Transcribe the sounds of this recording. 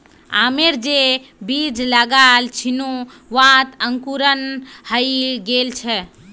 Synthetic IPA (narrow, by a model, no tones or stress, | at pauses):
a̰meɾd͡ʒebid͡ʒləɡalt͡ʃʰinu | ʋãt̪əŋkuɾənhəiɡelt͡ʃʰɛ